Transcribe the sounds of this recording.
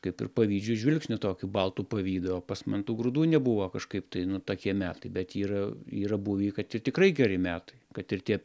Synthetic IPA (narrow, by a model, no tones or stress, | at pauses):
kɐɪpɪ̰rpɐʋʲiːd͡ʒʲʊʒʲʋʲɪlʲksʲnʲʊt̪oːkʲuːbɐlˠt̪uːpɐʋʲiːd̪ɐʋoːpɐsmɐnt̪uːɡɾʊd̪uːnʲɛbʊʋɐkɐʃkɐɪpt̪ɐɪnʊt̪oːkʲiɛmʲæːt̪ɐɪbʲɛt̪iːɾɐiːɾɐbuʋʲiːkɐt̪ɪrt̪ʲɪkɾɐɪɡʲɛɾʲɪmʲæːt̪ɐɪkɐt̪ɪrt̪ʲiɛ